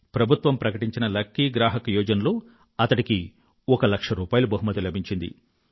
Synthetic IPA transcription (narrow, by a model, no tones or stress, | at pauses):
pɾɐbʱut̪ʋɐmpɾɐkɐʈiɲt͡ʃinɐlɐkːiɡɾaːɦɐkɐjɔːd͡ʒɐnɐlo̞ː | ɐt̪ɐʈiki | ɔkɐlɐkʂɐɾuːpaːjɐlubɐɦumɐt̪ilɐbʱiɲt͡ʃind̪ḭ